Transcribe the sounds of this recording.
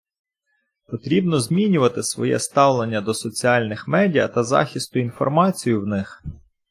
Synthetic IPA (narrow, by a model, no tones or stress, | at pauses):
pɔt̪ɾʲibnɔzmʲinʲʊʋɐt̪ɪsʋɔ̰jɛ̰st̪ɑwlˠe̞nʲːɐd̪ɔsɔt͡sʲiɑlʲnɪxmɛdʲijɐ̰t̪ɐzɑ̰xʲist̪ʊinfɔ̰rmɑt͡sʲijʊwnɪx